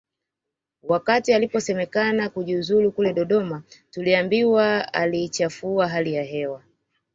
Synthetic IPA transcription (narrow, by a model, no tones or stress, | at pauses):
wakatialipɔsɛmɛkanakuʄiuzulukulɛɗɔɗɔmatuliambiwaa̰liːt͡ʃafuaɦalijaɦɛwa